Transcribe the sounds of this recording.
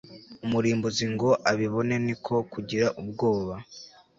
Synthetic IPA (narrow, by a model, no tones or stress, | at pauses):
umuɾiːmboziŋɡo̞ʔaβiβo̞ne̞nikʰokuɟiɾaʔub̚ɡo̞ːβa